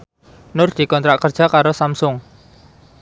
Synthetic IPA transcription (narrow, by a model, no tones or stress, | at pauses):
nʊrd̪̥i̤kɔnt̪ɾaʔkərd̥ʒ̥a̤kaɾosamsʊŋ